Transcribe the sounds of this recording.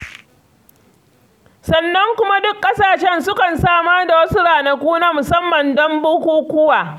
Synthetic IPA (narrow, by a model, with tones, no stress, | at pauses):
sɐ˨nːɐ˦ŋkʷʊ˦ma˦dʊ˦kːʼɐ˦saː˨ʃɛ˦nsʊ˦kɐ˨nsaː˦˨maː˦da˨wɐ˦su˦ɽaː˨na˨kʷuː˦naː˦mʊ˨sɐ˦mːɐ˨ndɔ˦mboː˦kʷoː˦kʷʊ˦waː˨